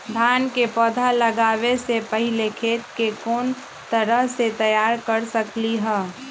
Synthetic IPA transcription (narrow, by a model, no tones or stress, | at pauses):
d̪ʱaːnkepɔːd̪ʱaləɡaːwesepəɦɪlekʰeːt̪kekoːn | t̪əɾəɦset̪əjaːɾkəɾsəkliɦɛː